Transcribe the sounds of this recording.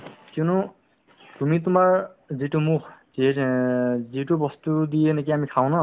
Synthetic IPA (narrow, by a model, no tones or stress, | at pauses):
kunu | t̪umit̬umaɹzitumukʰzi | zitubɔstudijenek̬iamikʰaw̃nɔ